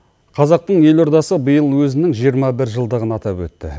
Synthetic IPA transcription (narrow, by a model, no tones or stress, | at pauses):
qʰɑzɑq̚t̪əɴje̞lo̞ɾd̪ɑsəbəjəlˠwɵzɪnɪŋʒijəɾmɑbɪɾʒəlˠd̪əʁənɑt̪ɑpwɵt̪ːɪ̰